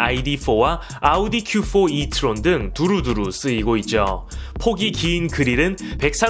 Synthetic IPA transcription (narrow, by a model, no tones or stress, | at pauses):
aidifʰowa | audikʰjufʰoitʰɯɾondɯŋtuɾuduɾus͈ɯiɡoit̚t͡ɕ͈o̰pʰoɡikiːnkɯɾiɾɯnpe̞k̚s͈a